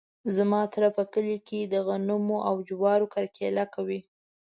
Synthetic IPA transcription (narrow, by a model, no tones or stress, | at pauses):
zamɑt̪ɾapəkəliked̪əɣanumoʔawd͡ʒwɑɾokaɾkelakawi